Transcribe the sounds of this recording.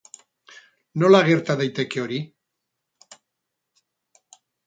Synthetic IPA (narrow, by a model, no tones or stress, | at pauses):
no̞laɣe̞ɾt̪aðejt̪e̞ke̞o̞ɾi